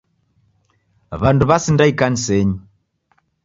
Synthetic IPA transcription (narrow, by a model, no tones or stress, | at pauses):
βanduβasindaikanisɛɲi